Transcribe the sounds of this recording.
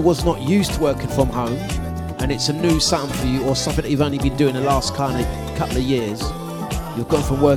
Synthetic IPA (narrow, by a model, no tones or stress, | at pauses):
wɒznəʔjʉˑstʰəwɜˑkɪ̃ŋfɹə̃mhõʊ̃m | ʔə̃nɪtsənjʉːsãʊ̃mfəjəəsʌ̃fɪ̃ðəʔjʉvõʊ̃nlibĩndʉːɪ̃ŋðəlɑˑskʰãɪ̃nə | kʰʌpl̩ˠəjɪəz̥ | jəɡoʊɪ̃ŋfɹə̃mwɜˑ˞